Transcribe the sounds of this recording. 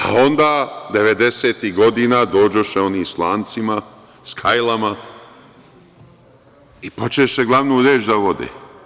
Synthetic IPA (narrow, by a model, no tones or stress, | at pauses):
a̰o̞nd̪aːd̪e̞ʋe̞d̪eseːt̪iɡo̞d̪iːnaːd̪o̞ːd͡ʑoʃeo̞niːslˠaːnt̪sima | skʰajlˠama | ipo̞t͡ʃeʃeɡlˠaʋnuːɾeːd͡ʒd̪aʋo̞d̪ḛː